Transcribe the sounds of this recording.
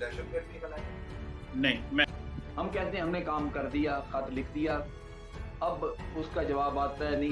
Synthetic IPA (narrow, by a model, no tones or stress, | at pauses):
ɛʃət̪ɡəɾĩbɐla | nɐĩmɛ̃ɦɐmkɛɦt̪eɦɛ̃ɦɐmnekaːmkɐɾd̪ijaːxɐt̪lɪkʰd̪ijaː | ɐbʊskad͡ʒɐʋaːbaːt̪aɛnɐĩ